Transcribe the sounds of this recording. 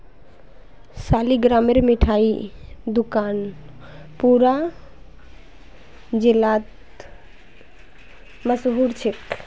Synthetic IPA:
saːliɡɾaːmeɾmiʈʰaːid̪ʊkaːn | puɾa | d͡ʒɪlaːt̪ | məsɦuɾt͡ʃʰɪk

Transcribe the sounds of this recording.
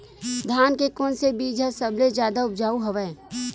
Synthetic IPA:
d̪ʱjaːnkekoːnsebiːd͡ʒʱasəbled͡ʒjaːd̪aʊp̚d͡ʒaːuɦəʋɛː

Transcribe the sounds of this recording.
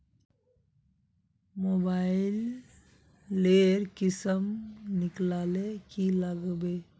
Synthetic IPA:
mobaɪil | eɾkisəmniklalekilaɡbe

